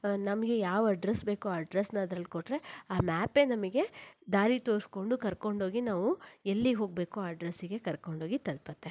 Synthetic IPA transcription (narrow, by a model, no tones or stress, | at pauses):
nɐmɐɡe̞jaːʋɐɖɾesbe̞ːkuaːɐɖɾesnɐɐd̪ɾɐlːikoʈːɾe̞aːmaːpenɐmɐɡe̞d̪aːɾit̪o̞ːɾsko̞ɳɖukɐɾko̞ɳɖo̞ːɡinaːʋuelːiɦo̞ːɡ̚be̞ːkuaːɐɖɾesiɡe̞kɐɾko̞ɳɖʱoːɡit̪ɐlpɐt̪ːe